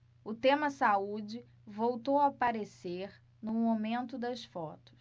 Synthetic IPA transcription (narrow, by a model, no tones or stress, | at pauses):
ʊt̪ẽmɐsaud͡ʒɪ | vowt̪owapaɾeseɾ | nũmomẽnt̪ʊd̪ɐsfɔt̪ʊ̥s